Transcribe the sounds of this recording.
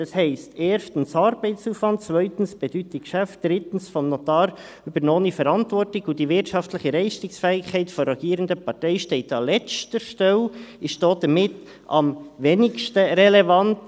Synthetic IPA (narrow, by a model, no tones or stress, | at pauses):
dɑshɛɪsteːɾʃtən̩sɑɾbɛɪsuːfvɑnt̚t͡svœʏtn̩sb̥ɛd̥ytikʃæft̚d̥ɾɪtn̩sfɔnnɔtɑːɾ | ybəɾnoːnifɛɾɑntvɔrtɪɡudivɪɾtʃɑftlɪçəɾɛɪʃtɪksfɛːɪkʰhɛɪtfɔɾɛɡ̥iːɾəndəpʰɑtɛɪʃtɛɪtɑlɛt͡stəɾʃtɛlɪʃtd̥oːd̥əmɪt | ɑ̰mveːnɪkʃtəɾɛlɛvɑnt